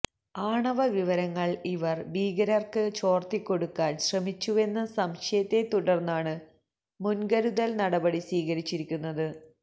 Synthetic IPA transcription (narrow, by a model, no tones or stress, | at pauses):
aːɳɐʋɐʋiʋɐɾɐŋːɐɭiʋɐrbiːɡɐɾɐrkɨt͡ɕo̞ːrt̪ikːo̞ɽukːaːnɕrɐmit͡ɕːue̞nːɐsɐmɕɐjɐt̪ːe̞t̪uɽɐrnːaːɳɨ | munɡɐɾuðɐlnɐɽɐbɐɽisʋiːɣɐɾit͡ɕːiɾikʲːunːɐðɨ